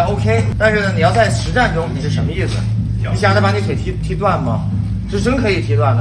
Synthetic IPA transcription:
o˥ʊkʰe˥ɪt̪a˥˧nʂɻ̩˥˩nə˩ni˨˩jɑ˥˧ʊt͡sa˥˩ɪʂɻ̩˧˥ʈ͡ʂa˥˩nʈ͡ʂʊ˥ŋni˨˩ʂɻ̩˥˩ʂə˧˥nmə˧i˥˩sɹ̩̰˨˩˥ | ɕja˥˩lba˧˥ni˥kʰe˨˩ɪt̪ʰi˧˥t̪ʰi˧˥t̪wa˥˩nmɐ˩ | ʈ͡ʂɻ̩˥ʈ͡ʂə˥ŋkʰɤ˧˥i˨˩t̪ʰi˧˥t̪wa˥˩nd̪ə˩

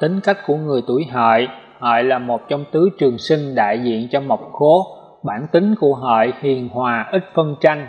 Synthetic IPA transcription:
t̪ï˨˦ŋ̟ka˦˥k̟̚ku˧˩əŋɨ˨˩əjt̪u˧˩jɦə̰ː˧˨j | hə̰ː˧˨jlaː˨˩mo˨˩t̚t͡ɕɔ˧wŋ͡mt̪ɨ˨˦t͡ɕɨ˨˩əŋsï˧ŋ̟ɗa̰ː˧˨jzḭ˧˨ənt͡ɕɔ˧ma˨˩wk͡p̚xo˨˦ | ɓaː˧˩nt̪ï˨˦ŋ̟ku˧˩əɦə̰ː˧˨jhi˨˩ənhwaː˨˩ʔï˦˥t̚fə˧nt͡ɕa˧jŋ̟

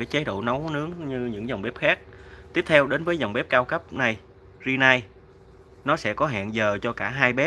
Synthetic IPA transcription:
aː˨˧˦jt͡ɕa˨˦jɗo̰˧˨na˨˦wnɨ˨˦əŋɲɨ˧ɲɨ̰˧˥ŋza˨˩wŋ͡mɓɛ˦˥p̚xaː˦˥k̚t̪i˦˥əp̚t̪ʰɛ˧wɗe˨˦nvəː˨˦jza˨˩wŋ͡mɓe˦˥p̚kaː˧wkə˦˥p̚na˨˩j | zi˧na˧j | nɔ˨˦sɛ̰˧˥kɔ˨˦ɦa̰ː˧˨nzəː˨˩t͡ɕɔ˧kaː˧˩ɦaː˧jɓɛ˦˥

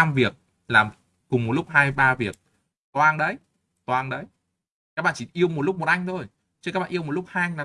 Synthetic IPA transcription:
a˧mvi˨˩ək̚ | laː˨˩m | kʊ˨˩ŋ͡mmo˨˩t̚lʊ˦˥k͡p̚haː˧jɓaː˧vi˨˩ək̚ | t̪waː˧ŋɗə˨˦j | t̪waː˧ŋɗə˨˦j | kaː˦˥k̚ɓa̰ː˧˨˩t͡ɕi˧˩ʔi˧əwmo˨˩t̚lʊ˦˥k͡p̚mo˨˩t̚ʔa˧jŋ̟t̪ʰo˧j | t͡ɕɨ˧kaː˦˥k̚ɓ̰ːʔə˧wmo˨˩t̚lʊ˦˥k͡p̚haː˧ŋlaː˨˩

